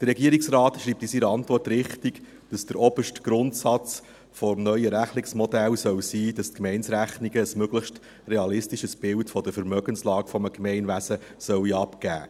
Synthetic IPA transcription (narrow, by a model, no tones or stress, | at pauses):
d̥ərɾːɛɡiəɾiksrɑːtʃriːp̚tisiɾəɑntʋɔrtɾɪχtiɡ̥ | d̥ɑsd̥əɾɔbəʃtɡ̥ɾʊntsɑt͡s | fɔmnœʏjəɾæχlɪksmɔdælsœwsiːd̥ɑstkmɛɪnsɾæχniɡəːsmøɡləχʃt | reɑlɪstiʃəsb̥ɪltfɔd̥̪əfəɾmœɡənslɑːɡ̥fɔməkmɛɪnʋæsə | sœwiɑpɡæ̰ː